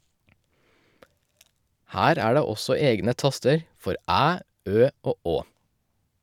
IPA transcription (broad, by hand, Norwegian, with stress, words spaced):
ˈhæːɾ ˈæː ˈɖeː ˈɔsɔ ˈeːɡnə ˈtɑstəɾ ˈfɔɾ ˈæː ˈøː ˈoː ˈoː